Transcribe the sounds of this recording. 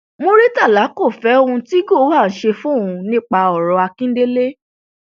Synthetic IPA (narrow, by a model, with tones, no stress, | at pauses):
mo˧ɾi˦ta˦˨la˨˦ko˦˨fɛ˨˦o˦ũ˧ti˦ɡo˦˨˦wa˦˨n̩˨ʃe˧fũ˦ũ˧nĩ˦k͡pa˧ɔ˨ɾɔ˧˦a˧kĩ˦de˦le˦